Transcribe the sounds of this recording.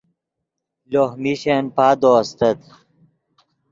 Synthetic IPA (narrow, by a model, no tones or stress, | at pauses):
lohmiɕenpaːd̪oɐst̪ɐt̪